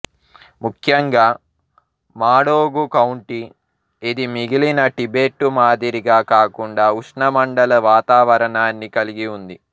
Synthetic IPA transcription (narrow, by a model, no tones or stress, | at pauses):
mukʰjɐŋɡaː | maːɽoːɡukɐwɳʈi | ed̪imiɡilinɐʈibe̞ːʈːumaːd̪iɾiɡaːkaːkuɳɖaːuʂɳɐmɐɳɖɐlɐʋaːt̪aːʋɐɾɐɳaːnːikɐliɡiund̪i